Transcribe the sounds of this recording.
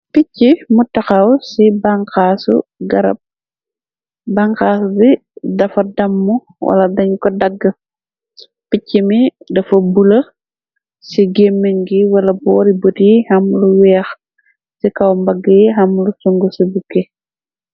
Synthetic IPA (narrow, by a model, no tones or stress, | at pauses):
picːimutɐxɐwsibɐŋkaːsṵɡɐɾɐ̰p̚ | bɐŋkaːsubi | dɐfɐdɐmːu | wʔɐ̰lɐdɐɲkɔdɐɡːɐ | picːimidɐfɐbulɐ | siɡemːeŋɡiwɐlɐbɔːɾibotijihɐmluwɛːx | sikɐwmbɐɡːəjiɦɐmlusuŋɡusibukːe